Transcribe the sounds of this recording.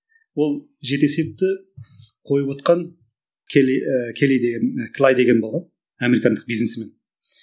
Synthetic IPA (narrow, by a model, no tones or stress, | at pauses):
wo̞lˠ | ʒe̞ɾt̪e̞se̞p̚t̪ɪ | qʰo̞jəpwo̞t̪̚qɑŋ | kʲʰekʲʰeled̪eɡʲenkʰlˠajd̪e̞ɡʲe̞nbolˠʁɑn | ame̞ɾikɑnd̪əq̚bijznesme̞n